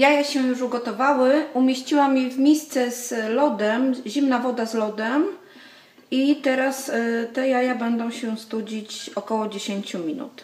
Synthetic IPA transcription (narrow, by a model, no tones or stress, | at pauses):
jajaɕɛjuʂuɡɔt̪ɔvawɘumʲjeɕt͡ɕiwamʲjɛvmʲjejst̪sɛz̥lɔd̪ɛmʑimnavɔd̪azlɔd̪ɛm | it̪ɛɾast̪ɛjajabɛnd̪ɔ̃w̃ɕɛst̪ud͡ʑit͡ɕɔkɔwɔd͡ʑeɕeɲt͡ɕumʲinṵt̪